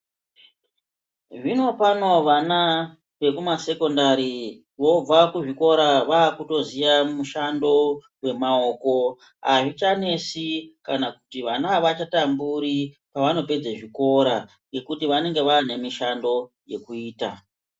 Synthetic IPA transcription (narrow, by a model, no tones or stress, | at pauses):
ʐino̞pano̞ʋana | ʋe̞kumase̞ko̞ndaɾi | ʋo̞b͡vakuʐiko̞ɾaʋaːkuto̞zijamuʃando̞ | we̞mao̞ːko̞ | ɦa̰ʐit͡ʃane̞sikanakutiʋanaʋat͡ʃatambuɾi | paʋano̞pe̞d͡zeʐiko̞ɾa | ŋɡe̞kutiʋane̞ŋɡe̞ʋane̞miʃando̞ | je̞̰kuiːta